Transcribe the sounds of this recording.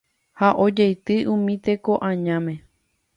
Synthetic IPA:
haʔo̞d͡ʒejt̪ɨʔũmĩt̪e̞ko̞ʔãɲãmẽ̞

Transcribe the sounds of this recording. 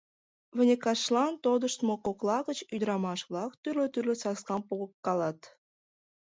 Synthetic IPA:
βə̆nʲekɑʃlɑnt̪od̪əʃt̪mokoklɑɣət͡ɕyd̪ɾɑmɑʃβlɑkt̪yrløt̪yrlĕsɑskɑmpuɣəkːɑlɑt̪

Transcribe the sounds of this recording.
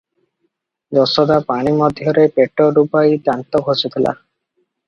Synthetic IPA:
d͡ʒɔsɔd̪apaɽ̃imɔd̪ʱjɔɾepeʈɔɾupajd̪ant̪ɔɡʰʱosit̪ʰila̰

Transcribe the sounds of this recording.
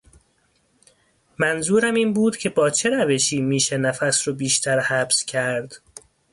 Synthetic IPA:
mænzuːɾæmiːnbuːd̪̥cʰe̞bɒːt͡ʃʰe̞ɾæve̞ʃiːmiːʃenæfæsɾobiːʃt̪ʰæɾhæbscʰæɾd̪̥

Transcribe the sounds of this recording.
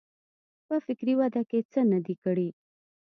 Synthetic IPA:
pəfɪkɾiwad̪aket͡sənad̪ikəɽi

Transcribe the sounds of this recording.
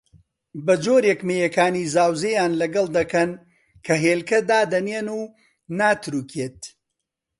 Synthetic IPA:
bɐd͡ʒoːɾjɛkmejɐkaːniːzaːwzejaːnlɐɡɐlˠd̪ɐkɐn | kʰɐɦeːlkɐd̪aːd̪ɐneːnuː | naːt̪ɾuːkʰeːt̪̚

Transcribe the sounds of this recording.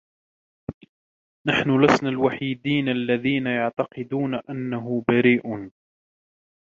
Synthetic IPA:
naħnʊlasnalwaħiːd̪iːnalːaðiːnajɑʕt̪ɑqɨd̪uːnaʔanːaɦʊbaɾiːʔ

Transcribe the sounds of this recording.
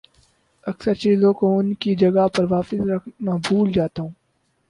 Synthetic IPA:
ɐksəɾt͡ʃiːzõkoʊnkid͡ʒɐɡapɐɾʋaːpɪsɾɐkʰnaːbʱuːld͡ʒaːt̪aɦũː

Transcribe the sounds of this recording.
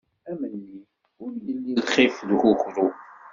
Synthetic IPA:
æmənːi | ʊɾjəlːilχifðhʊxɾu

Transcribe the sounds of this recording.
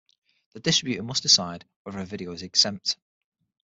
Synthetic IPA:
ðədɪstɹ̥ɪbjʉtəmʊstɪsaɪdwɛðəɹəvɪɾioʊɪzɛksɛ̃mp̚t

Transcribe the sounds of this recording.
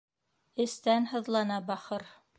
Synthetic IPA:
ɘ̆st̪ænhɤ̆ðlˠɑnɑbɑχɤɾ

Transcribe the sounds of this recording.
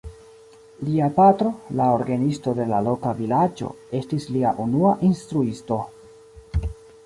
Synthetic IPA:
liapatɾo̞laoɾɡanisto̞de̞lalo̞kavilad͡ʒo̞̰ | e̞stisliaʔunuaʔinstɾuisto̞

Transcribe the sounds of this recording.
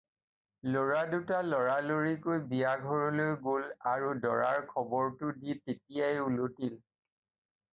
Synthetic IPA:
loɹadutalɔɹaloɹikojbiaɡʱɔɹɔlojɡolaɹudɔɹaɹkʰɔbɔɹtʊditetijajulotil

